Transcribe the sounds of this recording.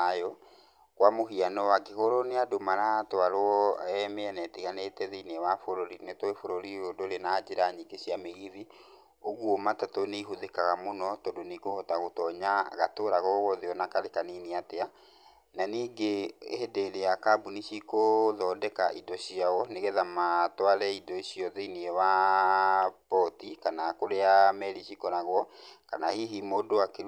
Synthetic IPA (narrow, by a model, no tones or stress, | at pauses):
ajɔ | kwamoɦianɔwaɡekoɾoneadomaɾatwaɾoɔɛmɛɛnɛtiɣanetɛðeinewafoɾoɾinetɔefoɾoɾiɾodoɾenad͡ʑeɾaɲiɡeɕiameɣiði | oɣwɔmatatoneiɦoðekaɣamonɔtɔdonikohɔtaɣotɔɲaɣa̰toɾaɣɔɣɔðeɔnakaɾekaniniatea | naniːɡehedeɾeakabuniɕikoðɔːdɛkaʔidɔɕiaɔneɣɛðamatwaɾɛidɔiɕjɔðeiniɛwa | pɔtikanakoɾeamɛɾiɕikɔnaɣwɔka̰nahiɦimodoakeɾ